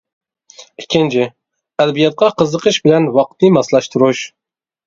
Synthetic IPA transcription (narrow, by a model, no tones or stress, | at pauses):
ikʲʰːɪnt͡ʃʰɪ | æd̪bijɛt̪̚qʰɑqəzəqəʃbɪlɛnwɑq̚t̪nɨmɑslɑʃt̪ʰuɾuʃ